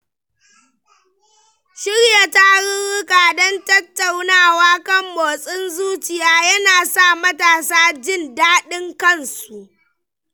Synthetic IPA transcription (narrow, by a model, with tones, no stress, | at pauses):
ʃɪ˦ɽja˨ta˦ɽɪ˦nɽʊ˦kaː˨dɔ˦ntɐ˦tːa˨wnaː˦˨waː˦kɐ˦˨mːoː˨sʼɪ˦nzuː˦t͡ʃɪ˨jaː˦jɐ˦naː˨sa˦˨mɐ˦taː˨saː˦d͡ʒɪ˦˨ndaː˦ɗɪ˦ŋkɐ˦nsu˨ʔ